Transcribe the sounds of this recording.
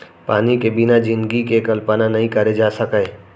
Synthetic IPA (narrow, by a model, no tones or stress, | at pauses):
paːnikebɪnad͡ʒɪ̃nɡikekɐlpənanɐɦĩkɐɾed͡ʒaːsɐke